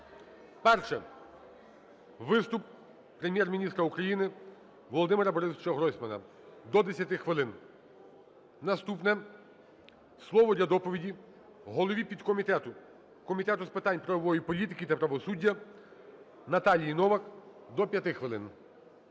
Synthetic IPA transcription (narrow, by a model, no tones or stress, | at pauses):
pɛrʃɛ | ʋɪst̪ʊp̚ | pɾemʲjɛrmʲinʲist̪ɾɐukɾɐjinɪ | ʋɔlˠɔd̪ɪmeɾɐbɔɾɪzt͡ʃɐɦɾɔsʲmɐnɐ̰ | d̪ɔd̪esʲjɐt̪ɪxʋɪlˠɪn | nɐst̪upnɛ | slˠɔʋɔdlʲɐd̪ɔpɔʋʲidʲi | ɦɔlˠɔʋʲipʲid̪kɔmʲit̪ɛt̪ʊ | kɔmʲit̪ɛt̪ʊspɪt̪ɑnʲpɾɐʋɔʋɔjipɔlʲit̪ɪkʲit̪ɐpɾɐʋɔsudʲːɐ | nɐt̪ɑlʲijnɔʋɐkd̪ɔpʲjɐt̪ɪxʋɪlˠɪn